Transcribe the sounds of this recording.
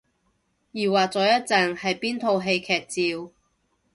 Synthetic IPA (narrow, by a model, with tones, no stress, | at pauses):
jiː˨˩waː˨˩k̚t͡sɔː˨˧jɐ˥t̚t͡sɐ˨ŋhɐ˨jpiː˥nt̪ʰo˧wɦe˧jkʰɛː˨k̚t͡siː˨˧w